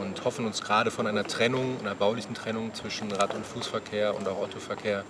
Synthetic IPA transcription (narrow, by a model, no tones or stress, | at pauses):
ʊnthɔfn̩ʊnsɡ̥ʁaːɾəfɔnʔaɪnɐtʁ̥ɛnʊŋaɪnɐbaʊlɪçn̩tʁ̥ɛnʊŋt͡sv̥ɪʃn̩ʁatʊntfuːsfɛɐkʰeːɐʊ̰ntaʊxʔɔtofɛɐkʰeːɐ